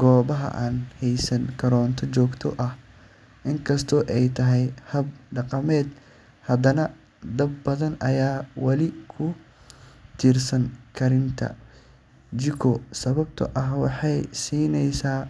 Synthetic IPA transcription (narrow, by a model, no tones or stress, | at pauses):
ɡ̥ɔːβɐɦɐ̰ʔaːnhɛjsɐŋkʰɐɾɔːnt̪ʰɔt͡ʃɔːɡt̪ʰɔʔɐh | ʔɪŋkʰɐst̪ʰɔːʔɛjt̪ʰɐɦɛjhɐbɖɑqɑmɛːd̪ | hɐd̪ɐnɐ | d̪ɐbːɐðɐnɐjaːwɐlɪkʰʊ | t̪ʰiːrsɐŋkʰɐɾɪnt̪ʰɐ̰ | d͡ʒɪkʰɔsɐβɐb̚t̪ʰɐ̰ʔɐɦwɑħɑjsiːnɛjsaː